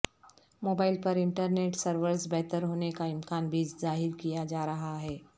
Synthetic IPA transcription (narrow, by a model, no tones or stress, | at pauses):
moːbaːɪlpɐɾɪ̃ɳʈəɾneːʈsɐɾʋəɾsbɛɦt̪əɾɦoːnekaɪmkaːnbʱiːd͡ʒzaːɦɪɾkijad͡ʒaːɾɐɦaɦɛː